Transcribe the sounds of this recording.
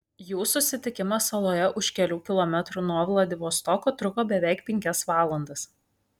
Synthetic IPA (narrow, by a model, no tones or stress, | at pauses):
juːsʊsʲɪt̪ʲɪkʲɪmɐsɐlˠoːjɛʔʊʃkʲɛlʲuːkʲɪlˠɔmʲɛt̪ɾuːnoːʋlˠɐd̪ʲɪʋoːst̪ɔkoːt̪ɾʊkoːbʲɛʋʲæˑɪk̚pʲɛŋʲkʲɛsʋɑːlˠɐnd̪ɐs